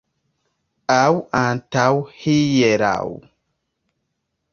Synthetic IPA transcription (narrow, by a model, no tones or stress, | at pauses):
awantawhijɛɾa̰w